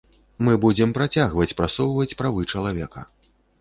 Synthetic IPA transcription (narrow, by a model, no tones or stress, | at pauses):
mɨbud͡zʲɛmpɾat͡sʲaɣvɐt͡sʲpɾatsɔwvɐt͡sʲpɾavɨt͡ʂɐlˠavʲɛkɐ̰